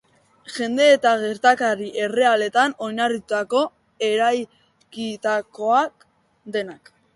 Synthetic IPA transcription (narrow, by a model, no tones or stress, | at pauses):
ʝe̞nd̪e̞ːt̪aɣe̞ɾt̪akaɾiʔe̞re̞ale̞t̪ano̞jnariut̪ako̞ | e̞ɾaj | kit̪ako̞ak | d̪e̞nak